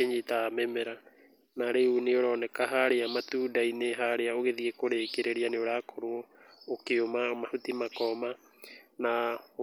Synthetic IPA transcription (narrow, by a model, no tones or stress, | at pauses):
eɲetaamɛmɛɾa | naɾeuneoɾɔnɛkaɦaɾeamatuːdaineɦaɾeaoɣeðiekoɾekeɾeɾianeoɾaːkʰɔɾwɔ | okeomamahutimakɔma | na